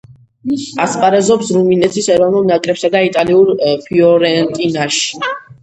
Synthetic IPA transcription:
aspʼaɾɛzɔpsɾuminɛt̪ʰisɛɾɔvnulˠnakʼɾɛpsad̪ait̪ʼaliuɾpʰiɔɾɛnt̪ʼinaʃi̥

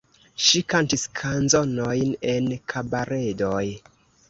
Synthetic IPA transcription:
ʃikantiskʰanzo̞no̞jne̞nkʰabaɾʔe̞do̞j

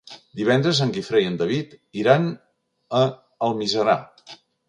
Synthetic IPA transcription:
d̪iβ̞ɛnd̪ɾəzəŋkifɾejənd̪əβit̪iɾan | ə | əlˠmizəɾa

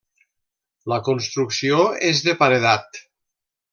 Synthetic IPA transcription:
ləkonst̪ɾuksioezðəpaɾeðat̪

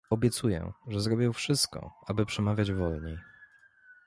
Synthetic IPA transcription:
ɔbʲjɛt̪sujɛ̰ʐɛzɾɔbʲjɛ̃wfʂɘst̪̚kɔ̰abɘpʂɛmavʲjad͡ʑvɔlɲej

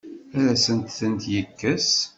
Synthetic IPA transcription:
æɾæsənt̪θənt̪jəkːəs

